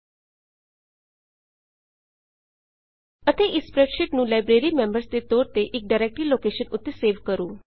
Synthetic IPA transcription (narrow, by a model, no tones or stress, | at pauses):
ət̪eʔispɾɛʈʃiʈnũːlajbɾeɾimẽmbəɾsd̪et̪oːɾt̪eʔɪk̚ɖajɾek̚ʈɾiːloːkeʃənʊt̪ːeseːʋkəɾuː